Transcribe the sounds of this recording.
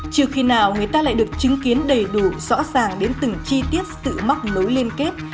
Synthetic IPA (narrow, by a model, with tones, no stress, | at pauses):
t͡ɕi˧˩əwxi˧naː˨˩wŋɨ˨˩əjt̪aː˧la̰ː˧˨jɗɨ˨˩ək̚t͡ɕɨ˨˦ŋki˨˦ənɗə˨˩jɗu˧˩z̥ɔ̰˧˥zaː˨˩ŋɗe˨˦nt̪ɨ˨˩ŋt͡ɕi˧t̪i˦˥ət̚sɨ̰˧˨ma˦˥t̚no˨˦jli˧ənke˦˥t̚